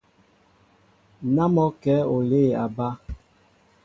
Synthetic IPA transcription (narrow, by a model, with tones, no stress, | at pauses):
na˦mɔ˦kɛ˨˦o˨le˦˨a˨ba˦